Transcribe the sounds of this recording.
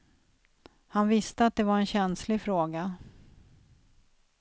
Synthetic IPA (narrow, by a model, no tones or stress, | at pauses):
hanvɪst̪əat̪̚d̪ɛvaɾɛnɕɛnslɪfɾoːɡa